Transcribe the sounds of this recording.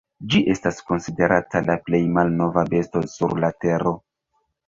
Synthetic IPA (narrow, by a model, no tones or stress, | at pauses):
d͡ʒiʔe̞stasko̞nside̞ɾʔatalaple̞jmalno̞vabe̞sto̞suɾlate̞ɾo̞